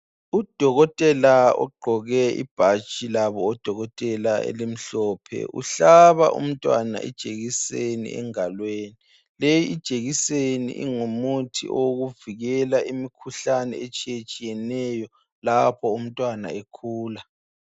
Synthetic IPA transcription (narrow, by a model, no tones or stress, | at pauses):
ud̥ʱɔɣɔtʼɛlaɔ̰ɡ͡ǃʱɔɣɛḭb̥ʱḁt͡ʃʼilaβɔːd̥ʱɔɣɔtʼɛlaḛlim̩ɬɔːpʰɛ̰ʔṵɬaβa̰ʔṵm̩tʼwa̰na̰ʔɛ̰d̥ʒ̥ʱeɣisenḭɛ̰ŋalweːni | lejiid̥ʒ̥ʱeɣisenḭʔḭŋumutʰḭʔoɣuviɣɛlaʔimikʰuɬanɛ̰et͡ʃʼijet͡ʃʼijɛnɛjɔ | lapʰɔum̩tʼwana̰ekʰuːla